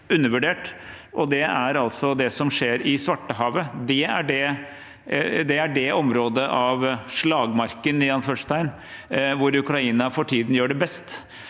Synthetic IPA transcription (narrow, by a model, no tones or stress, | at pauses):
ʉnːəɾʋʉɖeːʈʔɔd̪ɛæɾɑlsɔd̪ɛsɔmʂeːɾɪsʋɑʈːəɦɑːʋəd̪ɛæɖɛ | d̪ɛæɖɛʔɔmɾoːd̪əʔɑʋʂɭɑːɡmɑɾkənɪjɑnfœʂt̪æɪn | ʋʊɾʉkɾɑiːnɑfɔʈʰiːd̪n̩jøːɖɛbɛst̪